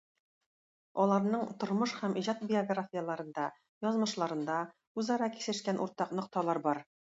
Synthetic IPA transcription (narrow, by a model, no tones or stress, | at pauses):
ɒlˠɑɾnɤɴt̪ŏɾmɤʃhæmiʑɑt̪̚bʲioɡrafʲijalˠɑɾɤ̆nd̪ɑ | jɒzmɤ̆ʃlˠɑɾɤ̆nd̪ɑ | ʉzɑɾɑki̥sɘ̆ʃkænʔṵɾt̪ɑqnŏqt̪ɑlˠɑɾbɒɾ